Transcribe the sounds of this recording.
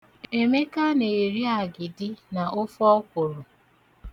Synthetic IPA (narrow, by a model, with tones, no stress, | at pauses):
e˨me˦ka˦ne˨ɾi˦a˨ɡɪ˨dɪ˦na˨ʔʊ˦fɔ˦kʷo˨ɾo˨